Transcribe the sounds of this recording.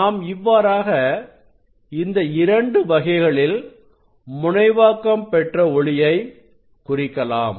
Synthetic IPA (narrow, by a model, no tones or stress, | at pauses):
aːmɪʋːaːɾaːɣɐ | ɪnd̪ɐɪɾɐɳɖɯʋɐɣɐɪɣɐɭɪl | mʊɳɐɪʋaːkːɐmpɛʈrɐɔɭɪjɐɪ | kʊrɪkːɐla̰ːm